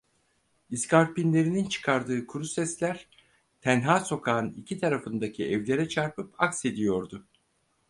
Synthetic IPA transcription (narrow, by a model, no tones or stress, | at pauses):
iskʰaɾpinlʲe̞ɾinint͡ʃʰɯ̥kʰaɾd̪ɯːkʰuɾusɛslʲæɾ̥ | t̪ʰænɦaːso̞kʰaːnicʰit̪ʰaɾafɯnd̪acʰiɛvlʲe̞ɾɛt͡ʃʰaɾpʰɯpakse̞d̪ijo̞ɾd̪ʊ